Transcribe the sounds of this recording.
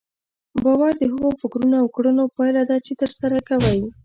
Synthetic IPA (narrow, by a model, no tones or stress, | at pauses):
bɑwaɾd̪əɦəɣofɪkɾunoawkɽənopɑjlad̪ɑt͡ʃet̪əɾsaɾakawaj